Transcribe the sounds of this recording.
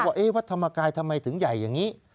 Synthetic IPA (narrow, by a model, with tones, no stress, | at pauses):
aː˧˩ʔe˦˥waː˦˥t̪ʰa˧maː˧kaː˧jt̪ʰa˧mːa˧jt̪ʰɯ˨˩˦ŋja˨˩jːaː˨˩ŋiː˨˦˥